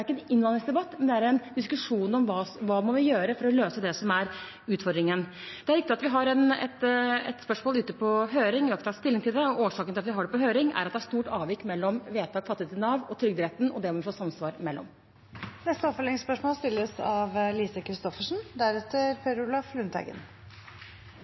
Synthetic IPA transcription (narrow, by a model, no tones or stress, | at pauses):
ɾɪkːəɛnɪnːlɑnɪŋsd̪ɛbɑt̪ːmɛnd̪ɛæɾɛnd̪ɪskʉʂuːnɔmʋɑːʋɑːmɔʋɪjøːɾəfɔɾɔløːsəd̪ɛsɔmæɾ | ʉːt̪fɔɾd̪ɾɪŋən | d̪ɛæɾɪk̚t̪ɪɑt̪ʋɪɦɑɾɛnɛ̰t̪ɛ̰t̪spœʂmoːlʉːt̪ːəpʰɔɦøːɾɪŋʋɪʋɑkst̪ʰɑst̪ɪlːɪŋt̪ʰɪld̪ɛɔʔoːʂɑːkənɪlɑt̪ʋɪɦɑɖɛpɔɦøːɾɪŋæ̰ɾɑt̪̚d̪ɛæʂt̪uːʈɑːʋjɪkːmɛlːɔmʋeːt̪ʰɑːɡfɑt̪ːɪet̪ɪnɑːʋɔt̪ʰɾʏɡ̚d̪ɾɛt̪ːn̩ɔ̰d̪ɛmɔʋɪfoːsɑmsʋɑːɾmɛlːɔ̰m | nɛst̪əɔfəɭɛɪspœʂmoːlst̪ɪlːəsɑʋliːsəkʰɾɪst̪ɔfəʂn̩d̪æɾɛt̪ːəɾpʰɛɾulɑflʉnt̪ʰɛ̰ɡə̰n